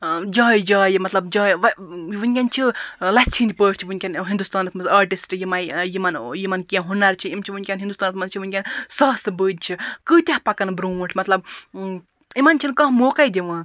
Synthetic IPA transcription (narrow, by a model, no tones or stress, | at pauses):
d͡ʒaːjd͡ʒaːjmɐt̪lɐbd͡ʒaːjʋɐʋɨnʲkʲant͡ʃʰilɐt͡ʃʰind̪ʲpəːʈt͡ʃʰiʋɨnʲkʲanɦind̪ust̪aːnɐt̪ʰmɐaːɾʈisʈjimɐ̃jimɐnjimɐnkʲẽɦunɐɾt͡ʃʰiimt͡ʃʰiʋɨnʲkʲanɦind̪ust̪ɑːnɐt̪mɐnt͡ʃʰiʋɨnʲkʲansɐɦsɨbɨːd̪̚ʲt͡ʃʰikɨːt̪ʲɐhpɐkɐnbɾuːʈʰmɐt̪lɐb̚ | imɐnt͡ʃʰinkɐ̃ɦmoːkɐd̪ʲiʋãː